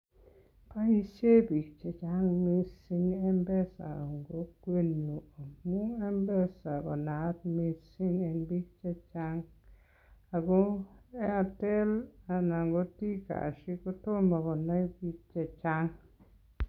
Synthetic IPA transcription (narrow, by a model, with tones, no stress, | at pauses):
pa˦i˦se˦bi˨k̚t͡ʃe˨t͡ʃa˦ŋmi˦si˦ŋɛ˦mbɛ˦sa̰˨ɔ˨ŋɡo˦kwe˦no˨o˨mu˦ɛ˦mbɛ˦sa˨kɔ˨na˨˦t̚mi˧si˦ŋɛ˨nbi˦k̚t͡ʃe˦t͡ʃa˦ŋ | a˨ɡo˦ɛ˦a˨tɛ˦la˨na˨ŋɡo˦ti˦ka̰˨ʃi˦ko˦to˦mɔ˨kɔ˨na˦i˦bi˦k̚t͡ʃɛ˨t͡ʃa˦ŋ